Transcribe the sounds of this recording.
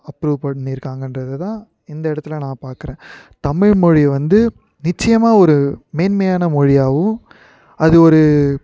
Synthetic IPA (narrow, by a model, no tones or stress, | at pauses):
ɐpːɾuːʋpɐɽniɪɾɯkːaːŋɡɐnrɐðɯt̪ãː | ɪnd̪ɐɪɽɐt̪ːɪlɐnãːpaːɾkɯɾẽː | t̪ɐmɪɻmɔɻiʋɐnd̪ɯ | nɪt͡ʃːɐjɐmaːɔɾɯmeːnmejaːnɐmɔɻɪjaːʋɯ̃ | ɐðɯɔɾɯ